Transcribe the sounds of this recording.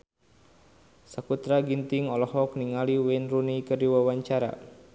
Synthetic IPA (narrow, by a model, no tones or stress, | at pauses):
sakut̪ɾaɡint̪iŋɔlɔhɔk̚niŋaliwɛnrunikərdiwawaɲt͡ʃaɾa̰